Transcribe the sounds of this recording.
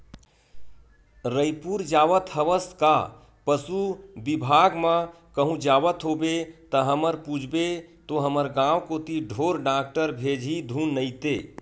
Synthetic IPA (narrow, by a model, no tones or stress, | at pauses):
ɾəjpuɾd͡ʒaʋət̪ɦəʋəst̪ka | pəsubibʱaɡmə̃ | kəɦũd͡ʒabət̪ɦobet̪əɦəməɾpud͡ʒʱbet̪oɦəməɾɡãwkot̪iɖʱoɾɖak̚ʈəɾbʱed͡ʒʱid̪ʱunːəjt̪e